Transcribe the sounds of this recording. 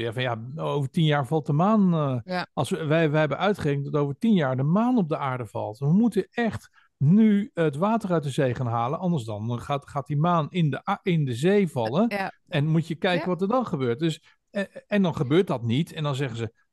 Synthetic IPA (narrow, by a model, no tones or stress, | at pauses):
javɔnjaowvətinjaːɹvɑlˠt̚dəmaːn | ɑlˠsəʋɛʋɛɦɛbənʔœɥtχərekən̚dɔtowvəɹtinjaːɹdəmaːnɔb̚dəaːɹdəv̥ɑ̰lˠtʋəmutəɛχt | nyətʋaːtərœɥt̚dəzejχaːnɦaːlənʔɑndəɹsdɑnχatχaːt̚dimaːnɪndəɪndəzejvɑlˠən | ɛnmutjəkɛjkənʋɑtəɹdɑnχəbøːɹt̚dɵs | ɛndɑnχəbøːɹt̚dɑtnitɛndɑnzɛχənzə